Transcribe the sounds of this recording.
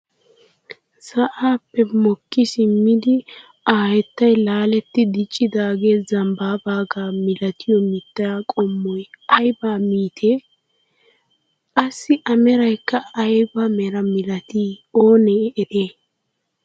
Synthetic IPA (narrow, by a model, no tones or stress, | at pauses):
sɐʔaːpːɛmɔkːɪsɪmːɪd̪ɪ | aːhɛt̪ːɐjlaːlɛt̪ːɪd̪ɪt͡ʃʼːɪd̪aːɡe̞ːzɐmbaːbaːɡaːmɪlɐt̪ɪjɔmɪt̪ːɐɾakʼɔmːɔjɐjbaːmiːt̪ʰeː | kʼɐsːɪʔɐmɛɾɐjkːɐɐjbamɛɾɐmɪlɐt̪iːoːnɛɛʔeː